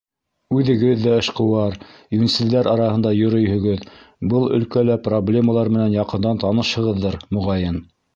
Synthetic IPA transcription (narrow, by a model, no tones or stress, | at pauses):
ʉðɘ̆ɡɘðːæɘ̆ʃqɤ̆wɑɾjunisɘ̆ld̪æɾʔɑɾɑhɤ̆nd̪ɑjɵ̆ɾɵ̆jhɵ̆ɡɵðbɤlˠɵ̰̆lkælæproblʲe̞mɑlˠɑɾmɘ̆nænjɑqɤ̆nd̪ɑnt̪ɑnɤʃhɤ̆ʁɤðːɤɾmŏʁɑjɤn